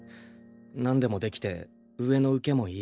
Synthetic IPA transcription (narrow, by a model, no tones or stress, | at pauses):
nãnd̪e̞mo̞d̪e̞kʲi̥t̪e̞̰ | ɯ̟e̞noɯ̟ke̞mo̞iː